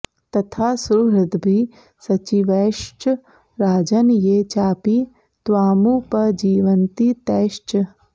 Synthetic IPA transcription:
t̪ɐt̪ʰaːsuɾɪd̪bʱi | sɐt͡ʃiʋeːʃt͡ʃ | ɾaːd͡ʒɐnjeːt͡ʃaːpi | t̪ʋaːmupɐd͡ʒiːʋɐnt̪it̪ɛːʃt͡ʃ

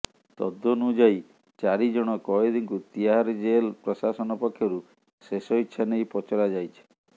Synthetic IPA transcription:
t̪ɔ̰d̪ːɔnud͡ʒaj | t͡ʃaɾid͡ʒɔɽ̃ɔkɔed̪iŋkut̪iaaɾd͡ʒelpɾɔsasɔnɔpɔkʰːjɔɾu | sesɔitːʃʰanejpɔt͡ʃɔɾad͡ʒajt͡ʃʰi̥

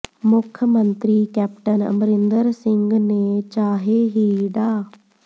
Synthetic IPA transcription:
mʊkʰəmənt̪ɾiːkɛːp̚ʈənə̰mɾɪnd̪əɾsɪŋɡneːt͡ʃaːɦeːɦiːɖaː

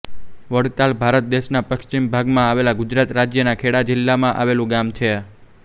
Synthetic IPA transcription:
ʋəɽt̪albʱaɾət̪̚d̪eʃnapəkt͡ʃimbʱaɡmãaʋelaɡʊd͡ʒɾat̪ɾad͡ʒjənakʰeɽad͡ʒɪlːamãʔa̰ʋelũɡamt͡ʃʰe

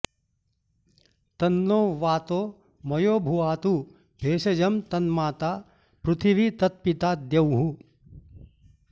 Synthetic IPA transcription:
t̪ɐnːoːʋaːt̪oː | mɐjoːbʱuʋaːt̪u | bʱeːʃɐd͡ʒɐmt̪ɐnmaːt̪aː | pɾut̪ʰiʋit̪ɐt̪̚pit̪aːd̪jɐwɦu

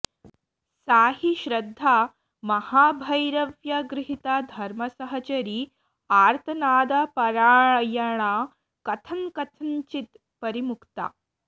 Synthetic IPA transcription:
saːɦiʃɾɐd̪ʱːaː | mɐhaːbʱɐjɾɐʋjɐɡɾɪɦit̪aːd̪ʱɐɾmɐsɐɦɐt͡ʃɐɾi | aːɾt̪ʰɐnaːd̪apɐɾaːɳɐjɐɳa | kɐt̪ʰɐŋkɐt̪ʰɐɲt͡ʃit̪ | pɐɾimukt̪a̰ː

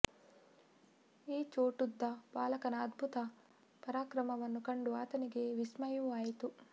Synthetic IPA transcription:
iːt͡ʃoːʈud̪ːɐbaːlɐkɐnɐːd̪bʱut̪ɐ | pɐɾaːkɾɐmɐʋɐnːukɐɳɖuaːt̪ɐniɡe̞ʋismɐjuaːjit̪u

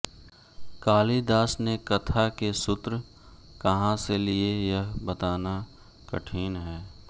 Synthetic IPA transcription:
kaːlid̪aːsnekɐt̪ʰakesʊt̪ɾə | kɐɦãseliejɐɦbɐt̪aːna | kɐ̰ʈʰiːnɦɛː

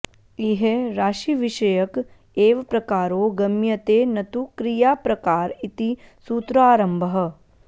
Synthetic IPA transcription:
iɦeɾaːʃiʋiʃɐjɐk | eːʋɐpɾɐkaːɾoːɡɐmjɐt̪eːnɐt̪ukɾijaːpɾɐkaːɾit̪i | suːt̪ɾaːɾɐmbʱɐɦɐ̆

